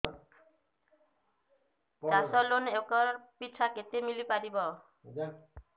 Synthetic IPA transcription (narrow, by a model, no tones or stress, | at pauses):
dasɔlonekɔɾpit͡ʃʰaket̪emilipaɾibɔ